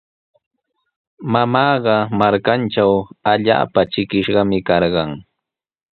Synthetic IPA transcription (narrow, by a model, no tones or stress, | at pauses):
mamɑːɢɑmaɾkant͡ʃawaʎa̰ːpat͡ʃɪkɪʃɢɑmɪkɑɾɢɑŋ